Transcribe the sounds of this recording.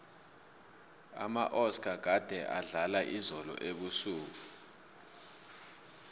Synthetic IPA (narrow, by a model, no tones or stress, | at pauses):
a̰maʔɔskʼaɡ̥ʱad̥ʱɛʔaɮalaʔizɔlɔ̰ʔeɓusuːk̬u